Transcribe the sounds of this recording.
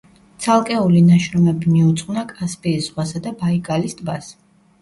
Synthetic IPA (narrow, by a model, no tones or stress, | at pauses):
t̪sʰalˠkʼɛulinaʃɾɔmɛbimiut̪sʼqʼwnakʼaspʼiːsz̥ʁwasad̪abaiɡʼalisd̪bas